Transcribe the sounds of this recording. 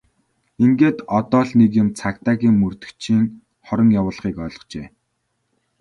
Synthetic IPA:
iŋɡeːt̪ɔt̪ɔːɮnek̬jʊ̆mt͡sʰakt̪aːɣiːŋmɵrt̪ɵ̥̆kt͡ɕʰiːŋ | χɔɾə̆ŋjawʊːɮχiːkœːɮɞ̆qt͡ɕeː

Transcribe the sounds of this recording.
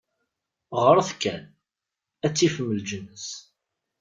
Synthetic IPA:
ʁəɾˤθkæn | æt͡sːifəmːəld͡ʒənəs

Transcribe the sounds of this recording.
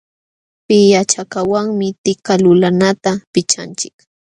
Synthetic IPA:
pɪjat͡ʃakawaŋmɪt̪ɪkalʊlanat̪apɪt͡ʃa̰nt͡ʃɪ̥k

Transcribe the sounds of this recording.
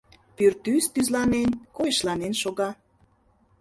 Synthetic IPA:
pyrt̪yst̪yzlɑnenkojəʃlɑnenʃoɣɑ

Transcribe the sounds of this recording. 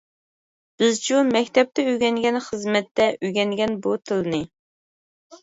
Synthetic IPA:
b̥ɪzt͡ʃʰumɛkʲt̪ʰɛp̚t̪ɛyɡʲɛŋɡʲɛnχəzmɛt̪ːɛʔyɡʲɛŋɡʲɛnbut̪ʰɨlɨnɨ

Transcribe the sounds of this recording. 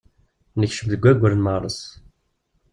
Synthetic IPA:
nəçʃəmðəɡʷːæɡʷːəɾnməʁɾˤə̰s

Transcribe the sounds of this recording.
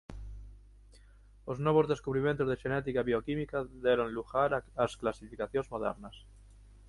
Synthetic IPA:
oznwoβ̞ozðe̞skuβɾimjẽnt̪ozðeʃenɛt̪ikaβiokimikaðeɾonluxaɾasklasifikaθjonzmoðḛɾnas

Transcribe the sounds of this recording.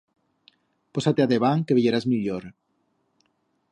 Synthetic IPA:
posat̪eaðeβaŋkeβeʎeɾazmiʎoɾ

